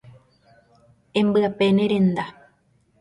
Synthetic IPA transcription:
embɯapeneɾend̪a

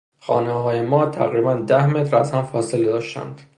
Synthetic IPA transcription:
xɒ̰ːneɦɒːjemɒːt̪ʰæ̰ɣɾiːbænd̪æhmet̪ɾæzhæmfɒːseled̪ɒːʃt̪æ̰nd̪̥

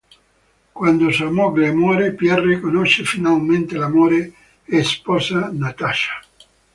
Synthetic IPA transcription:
kwand̪osuamɔɡlemɔːɾepjɛrːikonoʃefinalment̪elamoːɾe | espɔsanat̪aʃḁ

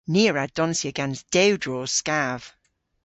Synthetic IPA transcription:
niɹad̥ɔnsiəɡɛ̃nsd̥ewdɹɔ̥skav̥

